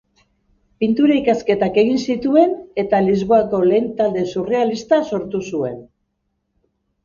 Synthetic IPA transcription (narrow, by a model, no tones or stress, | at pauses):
pint̪uɾaikaske̞t̪ake̞ɣ̞insit̪ue̞ne̞t̪alizβo̞ako̞le̞ːnt̪ald̪e̞sure̞alist̪aso̞ɾt̪usue̞n